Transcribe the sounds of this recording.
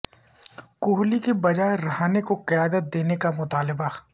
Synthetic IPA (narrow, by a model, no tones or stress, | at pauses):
kʊɦlikebɐd͡ʒaːeɾɐɦaːnekoqɐjaːd̪ət̪̚d̪eːnekamʊt̪aːlɪba